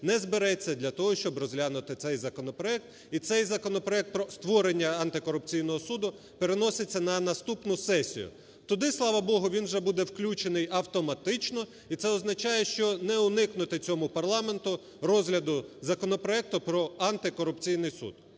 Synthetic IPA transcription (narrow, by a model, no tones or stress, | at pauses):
nɛzbeɾɛt͡sʲːɐd̪ʲlʲɐt̪ɔɦɔʃt͡ʃɔbrɔzʲlʲanʊt̪ɪt̪sɛjzɐkɔnɔpɾɔɛk̚t̪ | it̪sɛjzɐkɔnɔpɾɔɛk̚t̪̚pɾɔst̪ʋɔɾenʲːɐɐnt̪ɪkɔɾʊpt͡sʲijnɔɦɔsud̪ʊ | pe̞ɾenɔset͡sʲːɐnɐnɐst̪upnʊsɛsʲḭjʊ̰ | t̪ɔd̪ɪslˠɑʋɐbɔɦʊʋʲinwʒɛbud̪ɛwklʲut͡ʃenɪjɐwt̪ɔmɐt̪ɪt͡ʃnɔ | it̪sɛɔznɐt͡ʃɑjɛʃt͡ʃɔnɛʊnɪknʊt̪ɪt͡sʲɔmʊpɐrlˠɑme̞nt̪ʊ | rɔzɦlʲɐd̪ʊzɐkɔnɔpɾɔɛk̚t̪ʊpɾɔɐnt̪ɪkɔɾʊpt͡sʲijnɪjsṵd̪̥̚